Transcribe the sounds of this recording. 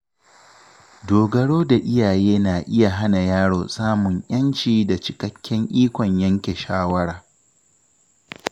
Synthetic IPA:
doː˨ɡɐ˨ɽoː˦da˨ʔɪ˦jaː˨jeː˦naː˨ʔɪ˦ja˨ɦa˦na˨jaː˦ɽoː˨saː˦mʊ˨ŋʔɐ˦nt͡ʃiː˨da˨t͡ʃɪ˨kɐ˦kʲːɛ˦ŋʔiː˦kʷɔ˨ɲjɐ˦ŋkʲe˨ʃaː˦wɐ˦ɽaː˨

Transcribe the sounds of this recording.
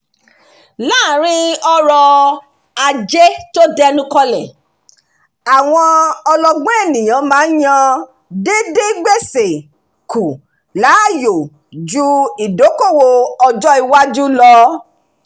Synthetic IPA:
laː˦˨ɾ̃ĩ˦ɔ˧ɾɔ˧ | a˧d͡ʒe˦to˦dɛ˦nũ˦kɔ˧lɛ˨ | a˨w̃ɔ̃˧ɔ˧lɔ˧ɡ͡bɛ̃˦ɛ˦˨nĩ˨j̃ã˨˦mãː˨˦n̩˦ɲã˧ | de˦de˦ɡ͡be˦˨se˨ | ku˨ | la˨˦˨jo˨ | d͡ʒu˦i˨do˨˦ko˦˨wo˧ɔ˧d͡ʒɔ˦i˧wa˦d͡ʒu˦lɔ˧˦

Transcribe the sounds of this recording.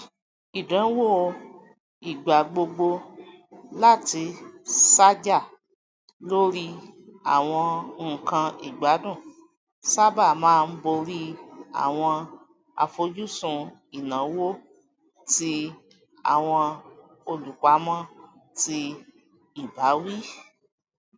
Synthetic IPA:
i˨dɛ̃˨˦wo˦˨ | i˨ɡ͡ba˨ɡ͡bo˧ɡ͡bo˧ | la˦˨ti˧sa˦d͡ʒa˦˨ | lo˦ɾi˦a̰˦˨w̃ɔ̃˧ŋ̩˨kã˧ḭ˨ɡ͡ba˨˦dũ˦˨ | sa˦ba˦˨mãː˦˧n̩˦bo˧ɾi˦a̰˨w̃ɔ̃˧ | a̰˧fo˧d͡ʒu˦sũ˧ | i˨nã˨˦wo˦ | ti˧ | a̰˦˨w̃ɔ̃˧ | o˧lu˨ka˨˦mɔ̃˦ti˧ | i˦˨ba˨˦wi˦

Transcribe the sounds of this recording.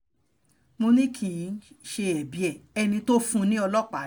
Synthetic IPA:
mo˧nĩ˦kʰĩ˨˦ʃe˧ɛ˨bi˨ɛ˨ɛ˧nĩ˧to˦fũ˦˧nĩ˦ɔ˧lɔ˦k͡pa˨

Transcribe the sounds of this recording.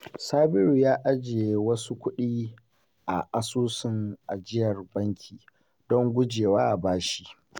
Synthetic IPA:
saː˦bɪ˦ɾu˨jaː˦ʔa˦d͡ʒe˨wɐ˦su˦kʷʊ˦ɗiː˦ | ʔa˨ʔa˦suː˦sɪ˦ŋʔa̰˨d͡ʒɪ˦jɐ˨rbɐ˦ŋkʲʰiː˨ | dɔ˦ŋɡʷʊ˦d͡ʒeː˨waː˦ʔa˨baː˦ʃi̥˦

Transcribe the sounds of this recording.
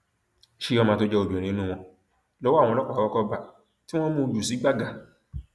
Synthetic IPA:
ʃi˦˧ɔ˧mã˧to˧˦d͡ʒɛ˧o˨du˨ɛ˨ɾĩ˨˦nũ˦˨w̃ɔ̃˧ | lɔ˦wɔ̃˦˨ɔ̃˧lɔ˦k͡pa˨a˨wɔ˦kɔ˧ba˨ | ti˦w̃ɔ̃˦mũ˧du˨si˨˦ɡ͡ba˦ɡa˨

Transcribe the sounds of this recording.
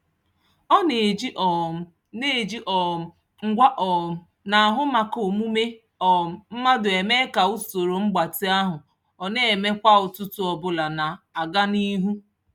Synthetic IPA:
ɔ˦ne˨d͡ʒi˦ʔɔ˨ | ne˦˨d͡ʒi˦ʔɔ˨ | ŋ̩˦ɡʷa˦ʔɔ˨ | na˨ɦʊ˦ma˨ko˨mu˦me˦ | ɔ˨m̩˨m̩˦ma˦dʊ˨e˨me˦ka˨u˦so˨ɾo˨ŋ͡m̩˦ɡ͡ba˨tɪ˦a˦ɦʊ˨ | ɔ˨ne˦e˨me˦kʷa˦ʊ˨tʊ˦tʊ˦ɔ˨bʊ˨la˨na˨a˨ɡa˦ni˦ɦu˦

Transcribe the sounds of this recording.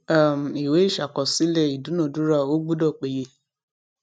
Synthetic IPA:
a˦˨m̩˨i˨we˨˦i˦˨ʃa˨kɔ˨si˦lɛ˦˨i˨dũ˨˦nũ˦˨du˦ɾa˦˨o˦ɡ͡bu˦dɔ˦˨k͡pe˨je˧˨

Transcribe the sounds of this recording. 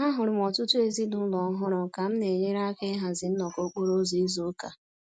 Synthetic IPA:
ɦa˦ɦʊ˨ɾʊ˨m˨ɔ˨tʊ˦tu˦e˨zi˦dʊ˨˦lɔ˨˦ɦʊ˦ɾʊ˨ka˨m̩˦ne˨ɲe˦ɾa˦ke˦ɦa˨zɪ˨n̩˦nɔ˨ko˦k͡po˦ɾo˦zo˨i˦zo˦ka˨

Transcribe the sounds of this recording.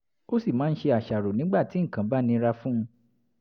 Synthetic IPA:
o˦si˦˨mãː˨˦n̩˦ʃe˧a˨ʃa˨ɾo˨nĩ˨˦ɡ͡ba˦˨ti˨˦ŋ̩˨kã˨˦ba˦˨nĩ˧ɾa˧fũ˦ũ˧˦

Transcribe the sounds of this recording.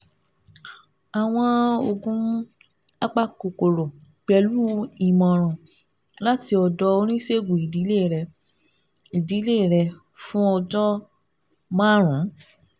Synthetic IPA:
a˨w̃ɔ̃˧o˧ɡũ˧˦ | a˦k͡pa˦˨ko˨ko˨ɾo˨k͡pɛ˧lu˦i˨mɔ̃˨ɾ̃ã˨ | la˦ti˧ɔ˧dɔ˧o˧ɾ̃ĩ˦se˦˨ɡu˨i˨di˨˦le˦˨ɾɛ˧ | i˨di˨˦le˦˨ɾɛ˧ | fũ˦ɔ˧d͡ʒɔ˦ | mãː˦ɾ̃ũ˨˦

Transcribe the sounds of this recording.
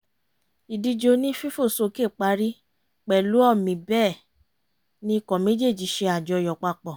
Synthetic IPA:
i˨di˧d͡ʒo˧nĩ˦fi˦fo˦˨so˧ke˦˨k͡pa˧ɾi˦ | k͡pɛ˨lu˨˦ɔ˦˨mĩ˨bɛː˦˨ | nĩ˦˧kɔ˨me˨˦d͡ʒe˦˨d͡ʒi˨˦ʃe˧a˨d͡ʒɔ˧jɔ˨k͡pa˧k͡pɔ˨

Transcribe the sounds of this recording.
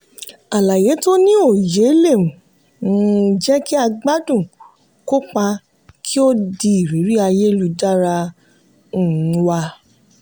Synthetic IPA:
a˨la˨je˨˦to˦nĩ˦o˦˨je˨˦le˦˨ũ˨ | ũ˦˨d͡ʒɛ˦ki˦a˧ɡ͡ba˦dũ˦˨ | ko˦k͡pa˧ | kʰi˦o˦di˧i˨ɾi˨˦ɾi˦a˧je˦lu˧˦da˦ɾa˧ | ũ˦˨˦wa˧

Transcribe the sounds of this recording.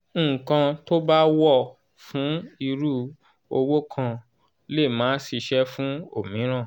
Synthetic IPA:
ŋ̩˦˨kã˧to˦ba˦wɔ˦˨ | fũ˨˦i˧ɾu˦ | o˧wo˦kʰã˧ | le˦˨mãː˨˦si˧ʃɛ˦fũ˦o˨mĩ˨˦ɾ̃ã˦˨

